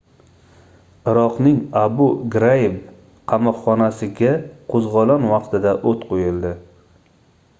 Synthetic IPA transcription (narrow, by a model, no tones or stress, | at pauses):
ɪɾɒqnɪŋabʊɡɾajɪf | qʰɑmɒqχɒnasɪɡʲaqʰozʁɒlanwɑqt̪ʰɪd̪aʔot̪qʰojɪld̪ɪ